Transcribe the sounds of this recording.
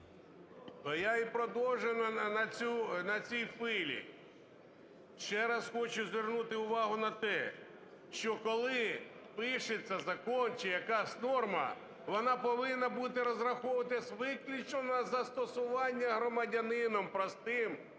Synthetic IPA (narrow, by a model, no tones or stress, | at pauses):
jaipɾɔd̪ɔwʒennɐt͡sʲunɐt͡sʲijfɪlʲḭ | ʃt͡ʃɛɾɑsxɔt͡ʃʊzʲʋʲɪrnut̪ɪʊʋɑɦʊnɐt̪ɛ | ʃt͡ʃɔkɔlˠɪ | pɪʃet͡sʲːɐzɐkɔnt͡ʃɪjɐkɑsʲnɔrmɐ̰ | ʋɔnɑpɔʋɪnːɐbut̪ɪɾɔzɾɐxɔʋɐt̪ɪsʋɪklʲit͡ʃɔnɐzɐst̪ɔsʊʋɑnʲːɐɦɾɔmɐdʲɐnɪnɔmpɾɔst̪ɪm